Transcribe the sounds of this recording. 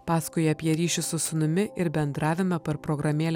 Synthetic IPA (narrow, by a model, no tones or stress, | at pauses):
pɑːskʊɪɐpʲjɛɾʲiːʃʲʊsʊsʊnʊmʲɪʔɪɾbʲɛnd̪ɾɑːʋʲɪmɐpɐɾpɾɔɡɾɐmʲeːlʲ